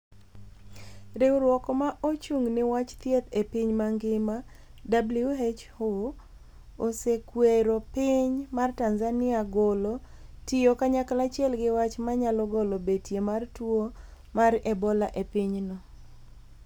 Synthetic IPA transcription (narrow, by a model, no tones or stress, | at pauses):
ɾewɾwɔkɔmaʔot͡ʃuŋnɪwat͡ʃt̪jet̪epɪɲmaŋɡɪma | dabluet͡ʃho | osekweɾopɪɲmartanzanɪaɡɔlo | tijokaɲakalat͡ʃɛlɡɪwat͡ʃmaɲalɔɡolobetjemartwo | marɛbɔlaʔepɪɲnɔ